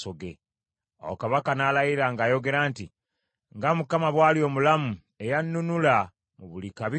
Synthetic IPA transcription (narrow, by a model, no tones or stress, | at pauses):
soɡḛ | a̰wokaβakanalajiɾaŋɡaːjo̞ɡe̞ɾaːnti | ŋɡamukamaβwaːljo̞ːmulamu | e̞janːunula | muβulikaβi